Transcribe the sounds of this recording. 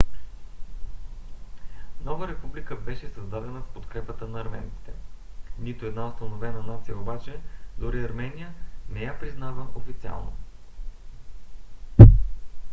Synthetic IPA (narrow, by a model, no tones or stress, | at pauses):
nɔvəɾɛpublikəbɛʃɛsɐzd̪ad̪ɛnəfpot̪kɾɛpət̪ənɐːɾmɛ̰nk̪i̥t̪ɛ | nit̪oɛd̪naʊst̪ɐnovɛnənat̪sijəobat͡ʃɛd̪oɾiɐɾmɛnijənɛjapɾiznavəʔofit̪sia̰lˠno̰